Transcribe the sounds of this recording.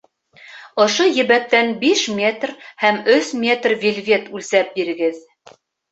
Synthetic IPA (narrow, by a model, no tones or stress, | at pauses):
ŏʃojɘ̆βæk̚t̪ænbiʃmʲet̪rhæmɵsmʲe̞t̪rvʲilʲvʲet̪ʉlsæp̚biɾɘ̆ɡɘð